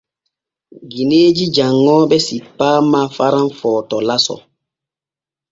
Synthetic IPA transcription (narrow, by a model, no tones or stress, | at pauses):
ɡineːd͡ʒid͡ʒaŋːɔːbɛsipːaːmafaɾanfɔːtɔlasɔ̰